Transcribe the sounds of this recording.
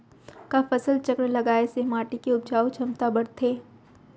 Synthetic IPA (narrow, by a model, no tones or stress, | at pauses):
kafɐsəlt͡ʃɐkɾlɐɡaːesemaːʈikeʊb̚d͡ʒaːut͡ʃʰɐmt̪abɐɽt̪ʰeː